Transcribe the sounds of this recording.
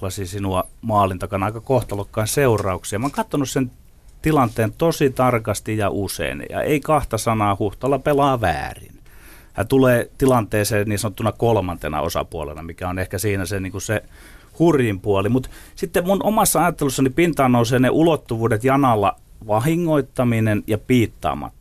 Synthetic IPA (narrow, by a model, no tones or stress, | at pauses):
lɑsisinuɑmɑːlint̪ɑkɑnɑˑikɑkoht̪olokːɑinseurˑɑuksiɑmɑŋkɑt̪ːonussen | t̪ilɑnt̪ˑeːnt̪osit̪ɑrkɑst̪ijjɑʔusḛinjɑ̰ḛikɑht̪ɑsɑnɑːhuht̪olːɑpelɑːʋæ̰ːrḭn | jɑ̰t̪uleːt̪ilɑnt̪ˑeːseːnniːsɑnot̪ːunɑkolmɑnt̪enɑ̰o̰sɑ̰puɑlḛnɑ̰mikæonehkæsiːnæseniːŋkusse | hurjimpuɑlimut̪sit̪ːemmunʔomɑsːɑɑjɑt̪ːelusːɑnipint̪ɑːnːouseːneʔulot̪ːuʋuːdet̪jɑnɑlːɑ̰ | ʋɑhiŋːoit̪ːɑminenjɑpiːt̪ːɑ̰ːmɑ̰t̪ː